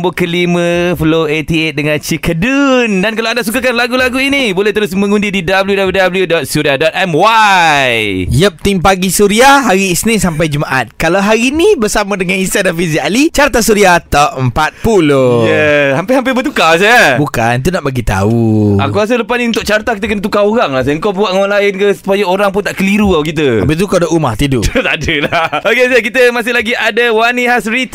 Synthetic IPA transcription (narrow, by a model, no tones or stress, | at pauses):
mbokəlimə̃fəloet̪iɛt̪̚dəŋant͡ʃikədundankalaandaʔsukakanlaɡulaɡuinibolɛht̪əɾʊs̬mə̃ŋũndididabəljudabljudabəljudɔt̪̚suɾiadɔt̪̚ɛmwajjəp̚t̪ɪŋpaɡisuɾiaɦaɾiːsnisampajd͡ʒəmaʔa̰t̪̚kalawɦaɾinibəɾsamãdəŋãnĩst̪adanfizialit͡ʃaɾt̪asuɾiat̪aəmpat̪̚pulojəampɪhampɪbət̪ukas̬ajabukant̪̬unaʔbaɡit̪a̰ua̰kuas̬ələpasnĩunt̪ʊk̚t͡ʃart̪akit̪əkənət̪ukaoɾaŋlahsaəŋkawbuaʔŋwanlaɪnkəsu̥pajaoɾaŋpʊnt̪aʔkəliɾuawkit̪̬əapit̪ukadauma̰ht̪idʊʔt̪adəlaokesajakit̪əmasɪhlaɡiʔadawaniɦasɾit̪